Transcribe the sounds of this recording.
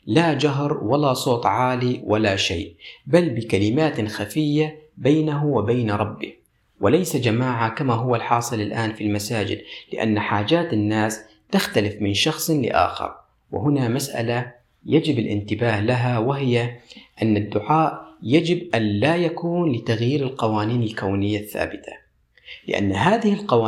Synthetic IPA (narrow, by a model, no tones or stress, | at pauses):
laːd͡ʒaɦɾwalasˤoːt̪ˤʕaːliwʔalaʃa̰jʔbalbɪkalɪmaːt̪xafɪjːabaːnaɦʊwɪbaːnɾˤɑbːɪ̰ | wɪlajsad͡ʒamaːʕakamaɦʊwːalħɑːsˤɨlalʔaːnfilmasaːd͡ʒɪ̰d̪lɪ̰ʔa̰nːħaːd͡ʒaːt̪anːaːs | t̪axt̪alɪfmɪnʃɑxsˤlɪ̰ʔa̰ːxɑ̰ɾˤ | wɪ̰ɦʊnamasʔa̰la | jad͡ʒɪbɪlʔɪ̰nt̪ɪbaːhlaɦawɪɦɪjaʔanːad̪ːʊʕaːʔjad͡ʒɪbʔanlaːjakuːnlɪt̪aɣjiːɾalqɑwaːniːnalkawnɪjːaθːa̰ːbɪt̪ʰḁ̰ | lɪ̰ʔa̰nːɦaːðɪhɪlqɑwaː